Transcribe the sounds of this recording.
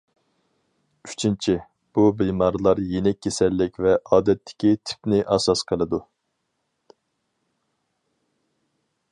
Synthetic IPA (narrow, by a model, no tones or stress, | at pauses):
yt͡ʃʰint͡ʃʰi | b̥ubemɑɾlˠɑɾjenɛkʲːesɛlːɪkʲvɛʔɑːd̪ɛt̪ʰːɪ̥kʲit̪ʰy̥pnɪʔɑsɑsqʰəlˠɨd̪u